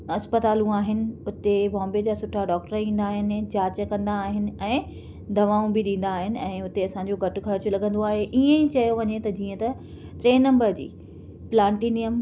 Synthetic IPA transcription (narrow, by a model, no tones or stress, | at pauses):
ɐspət̪aːlũaːɦɪnɪ̆ʊt̪ebɔ̃ːmbed͡ʑaːsʊʈʰːaɖɔːk̚ʈəɾĩːn̆d̪aːɦɪnɪ̆d͡ʑaːt͡ɕəkɐ̃nd̪aːɦɪnɪ̆ɛ̃ː | d̪ʱɐʋaːũbɪɗĩːn̆d̪aːɦɪnɪ̆ɛ̃ːʊt̪eɐsãɲd͡ʑoɡʱɐʈʊ̆xɐɾt͡ɕʊlɐɡə̃nd̪oaːɦeʔiẽit͡ɕɐjoʋɐɲet̪ɐd͡ʑiːə̃t̪ɐ | ʈɾeːnɐ̃mbəɾd͡ʑḭː | plãːɳʈiːnijəm